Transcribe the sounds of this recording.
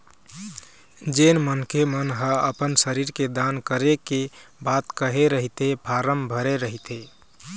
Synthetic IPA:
d͡ʒenmənkemənɦəəpənsəɾiɾked̪ankəɾekebat̪kəɦeɾəɦit̪epʰaɾəmbʱəɾeɾəɦit̪e

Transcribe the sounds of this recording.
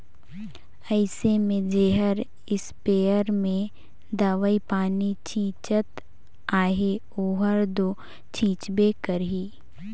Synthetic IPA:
ɛɪsemẽd͡ʒeːɦəɾ | ɪspeːəɾmẽ | d̪aːʋaipaːnit͡ʃʰĩːt͡ʃət̪ | aːɦe | oːɦəɾd̪oː | t͡ʃʰĩːt͡ʃbeːkəɾɦiː

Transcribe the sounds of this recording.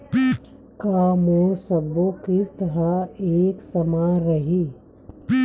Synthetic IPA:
kaːmoːɾsɐbokɪst̪ɐɦaeːksɐmaɾɐɦiː

